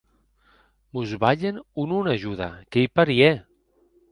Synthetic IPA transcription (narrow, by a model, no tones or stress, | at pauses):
muzβaʎenununaʒuða̰kejpaɾiɛ